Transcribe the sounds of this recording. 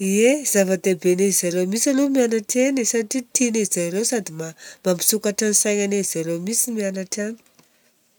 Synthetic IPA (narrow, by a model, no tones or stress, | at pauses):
iez̥avad̪ebenezizalomisalomianaʈ͡ʂenesaʈ͡ʂit̪ineizajlewsad̪imamambi̥sukaʈ͡ʂanisajɲanez̥alomisimianaʈ͡ʂani̥